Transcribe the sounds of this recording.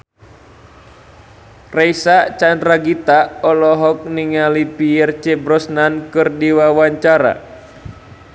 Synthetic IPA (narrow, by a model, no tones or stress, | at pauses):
reisat͡ʃandɾaɡit̪aɔlɔɦɔk̚niŋalipijɛrt͡ʃɛbɾɔsnankɨrdiwawaɲt͡ʃaɾa̰